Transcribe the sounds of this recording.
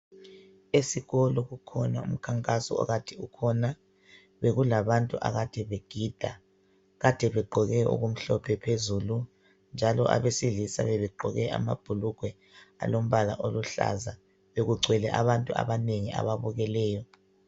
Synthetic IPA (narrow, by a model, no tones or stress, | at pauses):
esiɣɔlɔɣukʰɔnaṵm̩kʰaŋkʼasɔ̰ɔ̰ɣatʰiukʰɔna | βeɣulaβantʼuʔa̰ɣad̥ʱɛβeɡ̥ʱid̥ʱa̰ | ɣad̥ʱɛβɛɡ͡ǃʱɔɣɛṵɣum̩ɬɔpʰɛpʰezuːlu | nd͡ʒʱalɔ̰ʔa̰βesiɮisa̰βɛβɛǃʱɔɣɛʔa̰ma̰b̥ʱuluɡ̥ʱwɛ | a̰lom̩βala̰ʔoluɬa̰za | βeɣuǀʱwɛlɛʔa̰βantʼua̰βaneŋiʔa̰βaβuɣɛlɛːjɔ